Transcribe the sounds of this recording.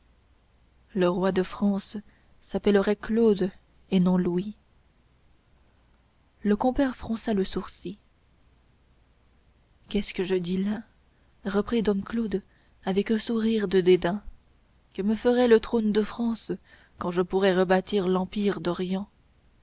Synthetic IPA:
ləʁwad̪əfχɑ̃sː | apɛləʁɛklod̪ | enɔ̃lui | ləkɔ̃pɛʁfχɑ̃saləsuʁsi | kʲɛskəʒəd̪ila | ʁəpχid̪ɔmklod̪ | avɛkə̃suʁiʁd̪əd̪ed̪ɛ̃ | kəməfəʁɛlət̪χond̪əfχɑ̃s | kɑ̃ʒəpuʁɛʁəbat̪iʁlɑ̃piʁd̪ɔʁjɑ̃

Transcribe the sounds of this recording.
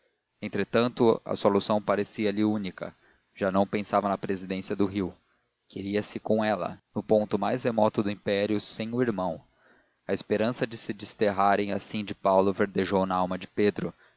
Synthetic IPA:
ẽnt̪ɾet̪ɐ̃nt̪ʊɐ̰solusɐ̃w̃paɾesiɐliunikɐ̰ | ʒ̥anɐ̃w̃pẽsavɐnɐpɾezid̪ẽsiɐd̪ʊɦiw | keɾiɐsɪkõw̃ɛlɐ̰nʊpõnt̪ʊmajzhemɔt̪ʊd̪ʊĩpɛɾjʊsẽj̃ʊiɾmɐ̃w̃ | ɐespeɾɐ̃sɐd͡ʒɪsɪd͡ʒɪst̪eɦaɾẽj̃asĩd͡ʒɪpawlʊveɾd̪eʒownɐawmɐd͡ʒɪped̪ɾʊ

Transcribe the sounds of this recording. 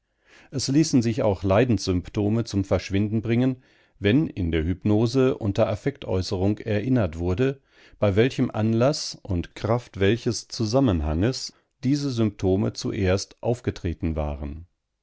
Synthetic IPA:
ʔɛsliːsn̩zɪça̰ʊxlaɪdn̩sz̥ʏmptʰoːmət͡sʊmfɛɐʃv̥ɪndn̩bʁɪŋən | vɛnɪ̰ndeːɐɦʏpnoːzəʔʊ̰ntɐʔafɛk̚tʔɔ̰ʏsəʁʊŋkɛɐʔɪnɐtv̥ʊɐdə | b̥aɪvɛlçəmʔa̰nlasʔʊntkʁ̥aftv̥ɛlçəst͡suzamənɦaŋəs | d̥iːzəzʏmptʰoːmət͡suʔeːɐstʔaʊfɡ̥ətʁ̥eːtn̩va̰ːʁən

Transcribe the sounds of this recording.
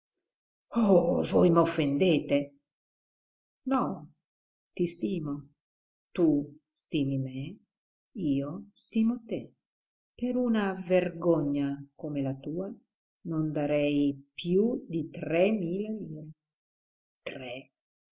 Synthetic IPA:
ovojmofːend̪eːt̪e | nɔ | t̪ist̪iːmo | t̪ust̪iːmimɛ | iːost̪iːmot̪e | peɾunaverɡɔɲːakomelat̪uːa | nond̪aɾɛjpjud̪it̪ɾɛmiːleliːle | t̪ɾɛ

